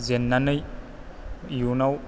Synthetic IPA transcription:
zenːanɯj | junaw

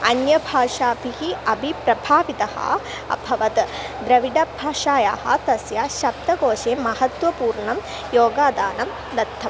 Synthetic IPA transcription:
ɐnjɐbʱaːʂaːpiɦiɐbʱipɾɐbʱaːʋit̪ɐhɐ̰ | ɐ̰bʱɐʋɐt̪d̪ɾɐʋiɖɐbʱaːʃaːjaːhɐ̰̆t̪ɐsjaːʃɐbt̪ɐɡoːʃeːmɐɦɐt̪ʋɐpuːɾɳɐm | joːɡaːd̪aːnɐm | d̪ɐt̪ʰːɐm

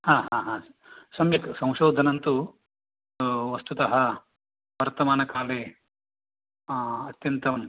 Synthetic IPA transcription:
haːɦaːɦaː | sɐmjɐksɐ̃w̃ʃoːd̪ʱɐnɐnt̪u | ʋɐst̪ut̪ɐɦɐ | ʋɐɾt̪ɐmaːnɐkaːleː | ɐt̪jɐnt̪ɐm

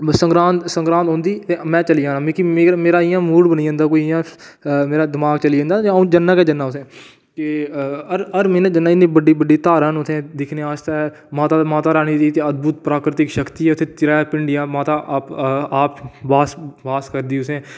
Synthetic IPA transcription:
səɡɾãːnt̪sə̃ŋɡɾãːnt̪õːnd̪iːt̪eːmɛ̃ːt͡ʃəliãːnãːmẽːkimeːmeːɾaːɪjãːmuːɽbəniːə̃ːnd̪aːkoːiɪjãː | meːɾaːd̪ɪmaːɡt͡ʃəliːẽːnd̪aːũːd͡ʒənːaːkɛːd͡ʒənːaːʊsẽː | keəɾəɾmẽːnãd͡ʒənːaːɪnːĩːbəɖiːbəɖiːt̪aːɾənʊt̪ʰẽːd̪ɪkʰneːaːʃt̪a | maːt̪aːmaːt̪aːɾaːniːd̪iːt̪eːəd̪̚bʊt̪̚pɾaːkɾɪt̪ɪkʃəkt̪iːɛːʊt̪ʰẽːt͡ʃɪɾaːpɪɳɖɪjãːmaːt̪aːʔːpaːpbaːsʋaːskəɾd̪iːʊsẽː

